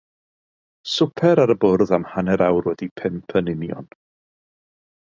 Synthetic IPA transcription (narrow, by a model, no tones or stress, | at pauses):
sʊpʰɛɾaɾəbʊrðamhanɛɾawrwɛdipʰɛnpʰənɪnjɔ̰n